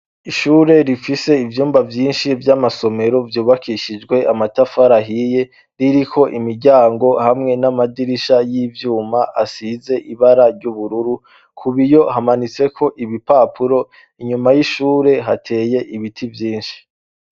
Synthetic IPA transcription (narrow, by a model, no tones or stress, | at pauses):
iʃuːɾe̞ɾifise̞ivjuːmbavjiːnʃivjamaso̞me̞ɾo̞vjuːβakʰiʃid͡ʒɡwe̞ʔamatafaɾaɦije̞ | ɾiɾikʰo̞ʔimiɾɟaːŋɡo̞hamŋe̞namadiɾiʃajiːvjuːmaʔasize̞ʔiβaɾaɾɟuβuɾuɾu | kʰuβijo̞ɦamanit͡se̞kʰo̞ʔiβipapʰuɾo̞ | iɲumajiʃuːɾe̞ɦatʰe̞ːje̞ʔiβitʰivjiːnʃi̥